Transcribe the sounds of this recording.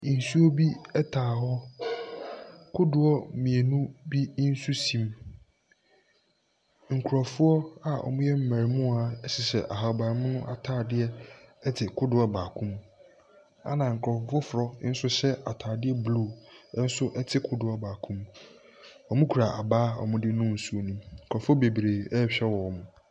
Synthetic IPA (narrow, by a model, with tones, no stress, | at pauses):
n̩˨su˦ɔ˦bi˦ɛ˦tʰaː˨hɔ˦ | kʰʊ˦dʊ˨ɔ˦mĩ˨e˨nũ˦bi˦n̩˦su˦sĩ˨m | ŋ̩˨kʰu˨ɾɔ˨fʊ˦ɔ˦a˨ʔɔ̰˨mʊ̃˦jɛ˦m̩˦mæ̃˨ɾmʊ̃˦a˨ɛ˦ɕɪ˨sɛ̰˨ʔa̰˨ɦa˨ba˨ɾɪ˨˦mʊ̃˦nʊ̃˦ʔa˨tʰaː˦˨dɪ˦ɛ˦ɛ˦tʰɪ˨kʰʊ˦dʊ˨˦a˦baː˨kʰʊ̃˦m | a̰˨nã˨ŋ̩˨kʰɔ˨fʊ˨˦fʊ˦fʊ˨ɾɔ˦n̩˦sʊ˦ɕɛ˦ʔa˨tʰaː˨dɪ˦ɛ˦blu˦˨˦n̩˦sʊ˦ʔɛ˦tʰɪ˨kʰʊ˦dʊ˨˦a˨baː˨kʰũ˦m | ɔ˨mʊ̃˦kʰu˨ɾa˨ʔa˨baː˦ɔ̰˨mʊ̃˦dɪ˦nʊ̃˦n̩˨su˦o˦nũ˦˨kʰɾɔ˨fʊ˦ɔ˦be˨bɾeː˨ɛ˦ɕᶣɛ˦wɔ˨ɔ˨mʊ̃˨